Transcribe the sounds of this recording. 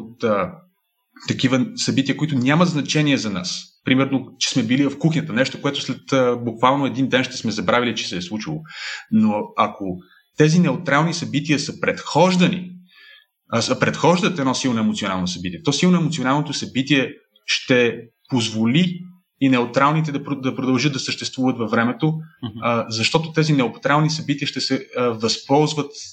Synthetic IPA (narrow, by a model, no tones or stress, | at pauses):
ot̪ə | t̪ːɐkivəsɐbit̪iəkoʊit̪ʊnʲaməd̪znɐt͡ʃɛniɛzɐna̰spɾimɛɾnot͡ʃɛ̥smɛbilivɐfkuxnʲət̪ənɛʃt̪okoɛt̪ʊ̥slɛt̪əbukvalˠnoɛd̪ind̪ɛnʃt̪ɛ̥smɛzɐbɾavilit͡ʃɛ̥sɛːslˠut͡ʃilˠonoɐkʰo | t̪ɛzinɛot̪ɾalˠnisɐbit̪iəsəpɾɛt̪xɔʒd̪ɐnḭ | səpɾɛt̪xɔʒd̪ət̪ɛnɔsilˠnoɛmot̪sionalˠnosɐbit̪iɛt̪ɔsilˠnoɛmot̪sionalˠnot̪oʊsɐbit̪iɛ | ʃt̪ɛ | pozvoli | inɛot̪ɾalˠnit̪̬ɛd̪ɐpɾod̪ɐpɾod̪ɐlˠʒəd̪d̪ɐsəʃt̪ɛst̪vuvət̪vɐfvɾɛmɛt̪o | zɐʃt̪ɔt̪ot̪ɛzinɛopt̪ɾalˠnisɐbit̪iəʃt̪ɛsɛvɐspɔlˠzvət̪